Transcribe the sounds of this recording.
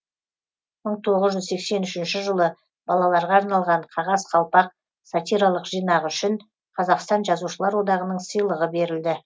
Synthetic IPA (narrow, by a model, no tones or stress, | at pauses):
məɴt̪ʰo̞ʁəzʒʏzsekse̞nʏʃɪnʃɪʒəlˠə | bɑlˠɑlˠɑɾʁɑːɾnɑlˠʁɑɴqʰɑʁɑzqʰɑlˠpɑq̚ | sat̪ijɾalˠəqʒ̥ijnɑʁʏʃɪɴ | qʰɑzɑqst̪ɑnʒɑzuʃəlˠɑɾwo̞d̪ɑʁənəɴsəjlˠəʁəbe̞ɾɪld̪ɪ